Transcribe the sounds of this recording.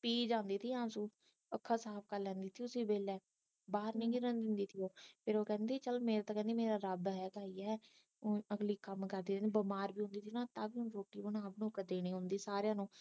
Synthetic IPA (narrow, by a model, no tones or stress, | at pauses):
piːd͡ʒãːnd̪iːt̪ʰiːãːsũː | əkʰːaːsaːp̚ʰkəɾlɛ̃ːnd̪iːt̪ʰioʊsiːbeːlɛː | baːɾnĩːɡiːɾə̃nd̪ɪnd̪iːt̪ʰijoːpʰeːɾoːkɛ̃ːnd̪iːt͡ʃəlmeːɾeːt̪aːkɛ̃ːnd̪iːmeːɾaːɾəbɦɛːkaːiːɛː | əɡliːkəmkəɾd̪iːbəmaːɾbiːɦʊ̃nd̪iːt̪ʰiːnãːt̪ãːbiːɦʊnːɾoːʈːiːbənãːpnũːkəd̪eːniːɦʊ̃nd̪iːsaːɾejãːnũː